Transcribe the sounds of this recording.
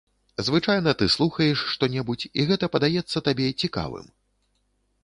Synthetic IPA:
zvɨt͡ʂajnɐt̪ɨslˠuxɐjɛʂːt̪ɔnʲɛbut͡sʲḭɣɛt̪ɐpɐd̪ajɛt̪sːɐt̪abʲɛt͡sʲika̰vɨ̰m

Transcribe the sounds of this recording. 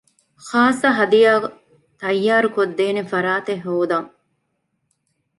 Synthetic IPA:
χaːsːɐɦɐd̪ijaː | t̪ɐjːaːɾukod̪ːeːnefɐɾaːt̪eɦoːd̪ɐŋ

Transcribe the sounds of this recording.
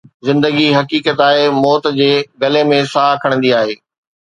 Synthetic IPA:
zɪ̃nd̪əɡiɦɐkiːkət̪aːɦemɔːt̪d͡ʑeːɡɐlemẽsaːkʰəɽ̃nd̪iaːɦeː

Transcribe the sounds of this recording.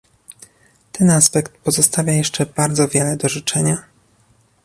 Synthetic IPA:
t̪ɛnaspɛkt̪̚pɔzɔst̪avʲjajɛʂt͡ʂɛb̥aɾd̪zɔvʲjɛlɛd̪ɔʐɨt͡ʂɛɲa

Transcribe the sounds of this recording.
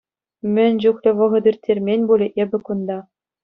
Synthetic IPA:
mʲɘ̆nʲd͡ʑuxlʲɘ̆ʋɤ̆ʁɤ̆d̪irʲtʲʰːerʲmʲenʲbulʲɘ̆ʔebʲɘ̆kund̪ɑ

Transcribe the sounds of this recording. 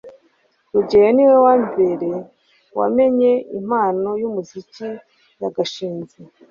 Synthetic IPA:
ɾuɟejeniwewambeɾe | wa̰me̞ɲe̞ḭm̥aːno̞jumuzici | jaɡaʃiːnze

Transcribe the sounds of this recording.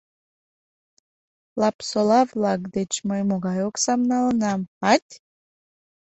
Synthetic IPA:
lˠapsolˠɑvlˠɑɡd̪et͡ʃməjmoɡajoksamnalˠənamhat̪ʲ

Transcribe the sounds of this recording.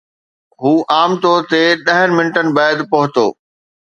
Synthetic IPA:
ɦuːʔaːmt̪oːɾt̪eɗɐɦənɪ̆mɪnʈənɪ̆baːɪd̪pɐɦʊt̪o̰ː

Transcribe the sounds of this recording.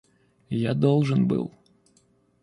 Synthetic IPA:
jad̪ɔlˠʐɨnbɨ̰lˠ

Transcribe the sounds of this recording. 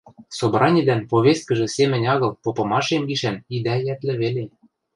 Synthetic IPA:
sobrɑnʲid̪ænpoβʲest̪̚kə̆ʒĕsemɘ̆nʲɑɣɤ̆lpopɤ̆mɑʃemɡiʃænid̪æjæt̪lɘ̆βele

